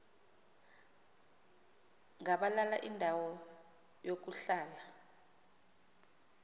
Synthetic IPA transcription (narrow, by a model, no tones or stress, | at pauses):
ŋaɓalala̰ʔindʱawɔ | jok̬uɬaːla